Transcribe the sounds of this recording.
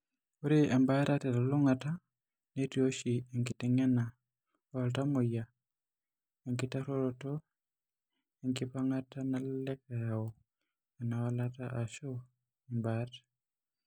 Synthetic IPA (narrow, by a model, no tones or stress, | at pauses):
oɾiɛmbatatɛɾaloŋata | netioʃieŋkɪtɛŋɛna | altamoja | ɛŋkɪtaɾoɾotɔ | ɛŋkɪpaŋatanalːɛkajaɔ | ɛnawalataʔaʃo | ɛmbat